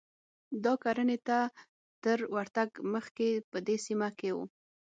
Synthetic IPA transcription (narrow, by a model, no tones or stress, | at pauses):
d̪ɑkɑɾənet̪a | t̪əɾwaɾt̪aɡməxkepəd̪esimakewṵ